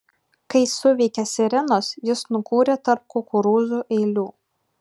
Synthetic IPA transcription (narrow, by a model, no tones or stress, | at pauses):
kɐɪsʊʋʲɛɪkʲɛsʲɛɾʲɛnoːsjɪsnʊkuːɾʲɛt̪ɐɾp̚kokʊɾuːzuːʔɛɪlʲuː